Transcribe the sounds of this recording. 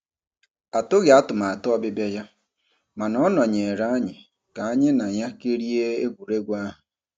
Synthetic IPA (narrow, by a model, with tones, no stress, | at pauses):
a˨tʊ˦ɣɪ˨a˦tʊ˨ma˨a˨tʊ˦ɔ˦bɪ˦be˦ja˦ | ma˨nɔ˦nɔ˨ɲe˨e˨ɾa˦a˦ɲɪ˨ | ka˨a˦ɲɪ˦na˨ɲa˦ke˦ɾi˦e˦e˦ɡʷu˨ɾe˦ɡʷa˦ɦʊ˨